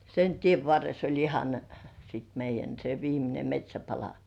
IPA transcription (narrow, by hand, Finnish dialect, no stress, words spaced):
sen tieʋ ʋɑrːes olʲ ihɑn sit meijˑæn se ʋiːmine metʲsʲæpɑlɑ